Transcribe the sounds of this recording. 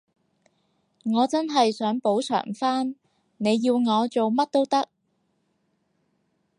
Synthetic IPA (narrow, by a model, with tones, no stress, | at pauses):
ŋɔː˨˧t͡sɐ˥nɦɐ˨jsœː˨˥ŋpo˨˥wt͡sʰœ̰ː˨˩ŋfaː˥n | ne˨˧jːiː˧wŋɔː˨˧t͡so˨wmɐ˥t̚t̪o˥wt̪ɐ˥k̚